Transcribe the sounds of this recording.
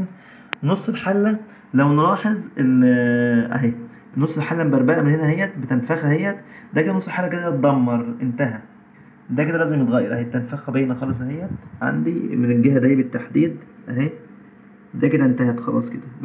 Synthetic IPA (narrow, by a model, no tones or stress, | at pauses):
nosˤːelħalːæ | læwnɾˤɑːħezˤel | ʔæ̰ɦeː | nːosˤːelħalːæmbæɾˤbæʔæmenhenæhejːæbet̪ænfæxæhejːæd̪æked̪ænosˤːelħalːæked̪æt̪̚d̪æmːɑɾˤʔent̪æɦæ | d̪æked̪ælæːzemet̪ɣæjːɑɾˤʔæhet̪ːænfæxæbejnæxɑːles̬ˤhejːæʕa̰nd̪imenenɡehæd̪æːæbet̪ːaħd̪iːd̪ʔæɦeː | d̪æked̪æʔent̪æhæt̪xɑlɑ̰ːsˤked̪æb